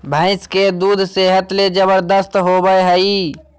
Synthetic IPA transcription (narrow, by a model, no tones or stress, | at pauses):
bʱə̃ːɪ̃skeːd̪uːd̪ʱseːɦət̪led͡ʒəbəɾd̪əst̪ɦoːbəeɦəiː